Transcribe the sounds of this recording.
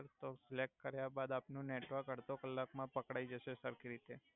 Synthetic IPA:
ɾt̪oslek̚ʈ̚kəɾjabad̪apnũneʈʋəɾkəɾt̪okəlːakmãpəkɽaid͡ʒəʃesəɾkɾit̪e

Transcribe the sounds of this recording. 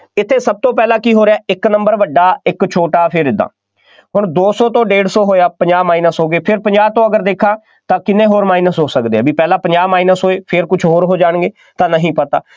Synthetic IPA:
ɪt̪ʰːeːsəb̚t̪õːpɛːlãːkiːɦoːɾeaːɪknəmbəɾʋəɖaːɪkt͡ʃʰoːʈaːpʰɪɾɪd̪a̰ː | ɦʊɳd̪oːsɔːt̪õːɖeːɽsɔːɦoːjaːpəɲd͡ʒaːmaːiːnəsɦoːɡeːpʰɪɾpəɲd͡ʒaːb̚t̪õːəɡəɾd̪eːkʰːãː | t̪ãːkɪnːẽːɦoːɾmaːiːnəsɦoːsəkd̪eːɛ̰ːbiːpɛːlãːpəɲd͡ʒaːmaːiːnəsɦoːeːpʰɪɾkʊt͡ʃʰɦoːɾɦoːd͡ʒaːɳɡeː | t̪ãːnəɦĩːpət̪a̰ː

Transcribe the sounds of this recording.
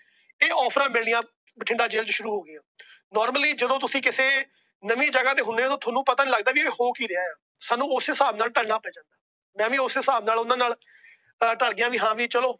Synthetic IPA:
eːɔːpʰɾãːbɪlnɪjãː | bəʈʰɪ̃ɳɖaːd͡ʒeːlt͡ʃʃʊɾuːɦoːɡɪjãːnɔːɾməliːd͡ʒəd̪õːt̪ʊsĩːkɪseː | nəʋĩːd͡ʒəɡaːt̪eːɦʊnːeːt̪õːt̪ʰoːnũːpət̪aːnĩːləɡd̪aːʋieːhoːkiːɾɪaːjaː | saːnũːʊseːsaːbnaːlʈəlnaːpɛ̃ːd͡ʒãːnd̪aː | mɛ̃ːʋiːʊseːsaːbnaːlʊnãːnaːl | ʈəɽɡɪjãːʋiːɦãːʋiːt͡ʃəloː

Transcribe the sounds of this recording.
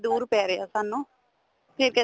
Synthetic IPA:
d̪uːɾpɛːɾeja̰ːsanːũ | pʰɪɾkɛ

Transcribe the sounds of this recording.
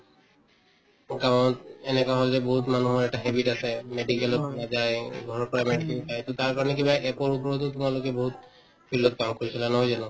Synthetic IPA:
kamotenekaɦɔld͡ʑeboɦut̪manuɦoɾɛk̚ʈaɦebiʈasʰemeɖikeload͡ʑajɡʱɔɾɔkɔɾamɛɖikelpajt̪ot̪aɾkaɾɔnek̬ĩbaʔepɔɾupɔɾot̪et̪umalokeboɦut̪̚ | pilːot̪̚kamkoɾisʰilaɛnɔɦojd͡ʑano

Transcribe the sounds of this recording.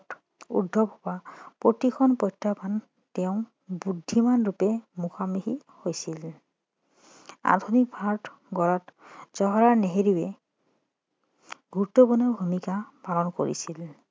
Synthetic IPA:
ʈ | ṵdʱːɔbʱɔbapot̪ikʰɔnpɔjtɾapan | teʊ̃ | bud̪ʱːimanɾupemuxkʰamiɦi | hojsil | a̰d̪ʱunikpʰaɾʈ | ɡɔɾatd͡ʒɔɦɔɾaneɦeɾiwe | bʱuʈobɔnebʱumikapalɔnko̰ɾḭsil

